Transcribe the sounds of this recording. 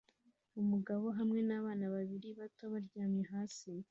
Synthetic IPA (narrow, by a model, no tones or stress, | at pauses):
umuɡaβo̞ɦamŋe̞naːβaːnaβaβiɾiβatoβaɾɟaːmɲeɦaːsi